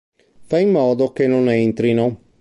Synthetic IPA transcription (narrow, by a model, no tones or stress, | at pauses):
faimːɔːd̪okenːonent̪ɾino